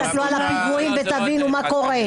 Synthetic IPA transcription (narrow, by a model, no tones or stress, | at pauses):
atloalaʁamɡʁuimbet̪abinumako̞ʁe